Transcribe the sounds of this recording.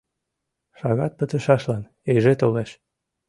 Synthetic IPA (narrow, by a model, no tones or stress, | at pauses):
ʃɑɣɑt̪̚pət̪ə̆ʃɑʃlɑn | eʒet̪oleʃ